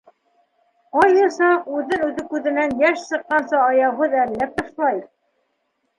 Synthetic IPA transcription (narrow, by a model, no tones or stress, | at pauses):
qɑjɤ̆sɑqʉðɘnʉðɘkʉðɘ̆nænjæʃsɤ̆qːɑnsɑːjɑwɦɤðælːæp̚t̪ɤ̆ʃlˠɑjɤ